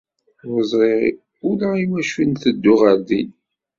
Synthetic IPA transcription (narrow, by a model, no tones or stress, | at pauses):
ɾəzˤʁe | ʊlaiwæʃinθəd̪ːʊʁəɾðin